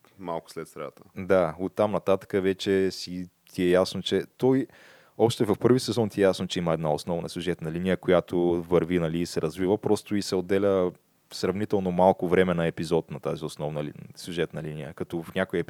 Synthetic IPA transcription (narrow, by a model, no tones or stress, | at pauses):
malˠkʊ̥slɛt̪st̪ɾa̰t̪əd̪aot̪ːamnɐt̪at̪ə̥kəvɛt͡ʃɛsi | t̪ʲiɛjasnot͡ʃɛt̪ɔj | ɔʃt̪ɛvɐfpɤɾvisɛzɔnt̪iɛjasnot͡ʃɛiməɛd̪naosnɔvnɐ̰sʲjʊʒɛt̪nɐlinijəkojat̪ʰovɐɾvinɐliːsɛɾɐzvivəpɾɔst̪ʊisɛod̪ːɛlʲə | sɾɐvnit̪ɛlˠnomalˠkʊvɾɛmɛnɐɛpizɔt̪nɐt̪aziosnɔvnəlsʲjuʒɛt̪nɐlinijə̰kɐt̪ɔfnʲakʊjəp